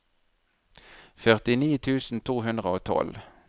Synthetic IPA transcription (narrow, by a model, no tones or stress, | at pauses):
fœʁt̪ɪniːt̪ʰʉːsn̩t̪ʰuːɦʉnd̪ʁəoːt̪ʰɔ̰l